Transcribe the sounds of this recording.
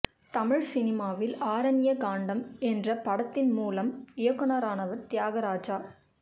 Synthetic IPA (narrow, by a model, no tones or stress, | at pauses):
t̪ɐmɪɻsɪnɪmaːʋɪlaːɾɐnɪjɐkaːɳɖɐmɛndrɐpɐɽɐt̪ːɪnmuːlɐmɪjɐkːɯnɐɾaːnɐʋɐɾt̪jaːɣɐɾaːd͡ʒaː